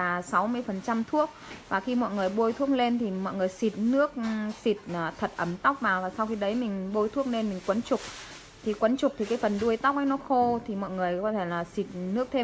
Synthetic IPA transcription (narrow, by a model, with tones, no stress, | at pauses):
aː˨˩sa˨˦wmɨ˧əjfə˨˩nt͡ɕa˧mt̪ʰu˦˥ək̚vaː˨˩xi˧mɔ̰˧˨jŋɨ˨˩əjɓo˧jt̪ʰu˦˥ək̚le˧nt̪ʰi˨˩mɔ̰˧˨jŋɨ˨˩əjsi˨˩t̚nɨ˦˥ək̚si˨˩t̚ːt̪ʰə˨˩t̚ʔə˨˩mt̪a˦˥wk͡p̚vaː˨˩vaː˨˩swxi˧ɗə˨˦jmï˨˩ŋ̟ɓo˧jt̪ʰu˦˥ək̚le˧nmï˨˩ŋ̟kwə˨˦nt͡ɕʊ˨˩k͡p̚ | t̪ʰi˨˩kwə˨˦nt͡ɕʊ˨˩k͡p̚t̪ʰi˨˩kaː˨˦jfə˨˩nɗu˧əjt̪a˦˥wk͡p̚ʔə˨˦jnɔ˨˦xo˧t̪ʰi˨˩mɔ̰˧˨jŋɨ˨˩əjkɔ˨˦t̪ʰe˧˩laː˨˩si˨˩t̚nɨ˦˥ək̚t̪ʰe˧